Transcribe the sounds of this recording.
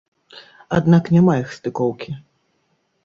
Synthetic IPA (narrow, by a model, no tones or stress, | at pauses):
ad̪naknʲɛmajixst̪ɨkɔwkʲi